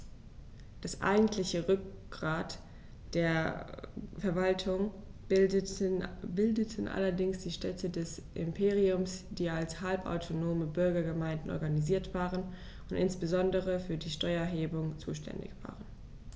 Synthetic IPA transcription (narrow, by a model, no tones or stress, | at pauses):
d̥asʔa̰ɪɡŋ̩tʰlɪçəʁʏkɡ̥ʁaːt | d̥eːɐ | fɛɐvaltʰʊŋ | bɪldətʰn̩ʔa̰lɐdɪŋsd̥iːʃtɛtʰədɛsʔɪ̰mpʰeːʁiʊmsd̥iːalshalpa̰ʊtʰonoːməbʏɐɡɐɡəmaɪndn̩ʔɔ̰ɐɡaniziːɐtv̥aːʁən | ʔʊntʔɪ̰nsb̥əzɔndəʁəfyːɐdiːʃtɔʏɐɛɦeːbʊŋt͡sṵːʃtʰɛ̰ndɪ̰çv̥a̰ːʁən